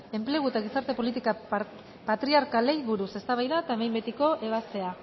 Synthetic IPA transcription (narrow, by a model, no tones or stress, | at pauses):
e̞mple̞ɣ̞uet̪aɣ̞isaɾt̪e̞po̞lit̪ika | pat̪ɾiaɾkale̞jβuɾuse̞st̪aβajðaet̪aemajmbe̞t̪iko̞ʔe̞β̞ast̪e̞a